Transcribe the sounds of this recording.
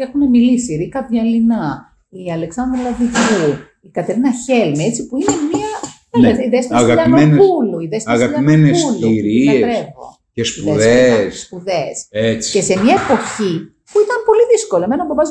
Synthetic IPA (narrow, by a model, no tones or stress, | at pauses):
exune̞milisiɾikɐvʝɐlinɐ | iɐle̞ksɐnd̪ɾelɐðiʝu | ikɐt̪e̞ɾinɐçe̞lmiet͡sipuine̞miɐ | nɐiðest̪ɐɣɐpɐiomenuluiðestɐɣɐpɐmenesuluiɾiɐeɾevo̰ | cespiuðeðesspuðeset͡si̥ce̞se̞mɲɐepo̞çi | puit̪ɐmpo̞liðiskolɐmenɐmbɐbɐz